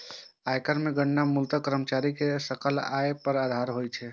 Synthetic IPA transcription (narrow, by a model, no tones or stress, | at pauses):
ajkəɾmeɡəɳːamult̪əkəɾəmət͡ʃaɾikesəkəla̰epəɾad̪ʱaɾɦojt͡ʃʰɛ